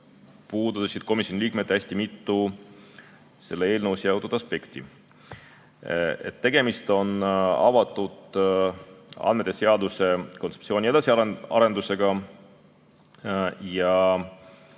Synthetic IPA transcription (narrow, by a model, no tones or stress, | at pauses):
puːd̪uɑsid̪̥̚ko̞misʲjo̞nʲiliːk̚met̪ːæsʲt̪imit̪ːu | se̞lːee̞ːlnəwsjɑwt̪ud̪ɑspe̞kt̪i | et̪ːe̞ɡ̥e̞mist̪o̞nɑ̰vɑt̪ˑːud̪̥ | ɑ̰nmet̪ːˑese̞ɑd̪use̞kot̪septsioːnʲie̞d̪̥ɑsʲiɑɑ̰ɾe̞nd̪̥use̞ɡ̥ɑ | jɑ